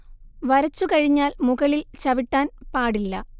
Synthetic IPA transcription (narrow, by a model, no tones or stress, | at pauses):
ʋɐɾɐt͡ɕːukɐɻiɲːaːlmuɣɐɭilt͡ɕɐʋiʈːaːnpaːɽilːɐ